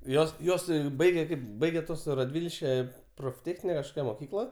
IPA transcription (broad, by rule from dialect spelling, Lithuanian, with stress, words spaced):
ˈjoːs ˈjuɔs ˈbɐɪɡʲɛ ˈkɐɪp ˈbɐɪɡʲɛ ˈtuɔs rɐˈdʲʋʲɪlʲʃʲkʲɛ proːfʲˈtʲeːxʲnʲɪnʲɛ kɐʃˈkoːkʲɛ moːˈkʲiːklˠɐ